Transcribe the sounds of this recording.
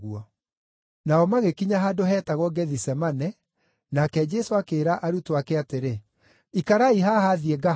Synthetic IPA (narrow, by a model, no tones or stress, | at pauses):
uɔ | naɔmaɣekiɲaɦadoɦɛːtaɣwɔɡɛðisɛmanɛ | nakɛd͡ʒɛsoakeːɾaʔaɾutoakɛateɾe | ikaɾaiɦahaðijɛɡa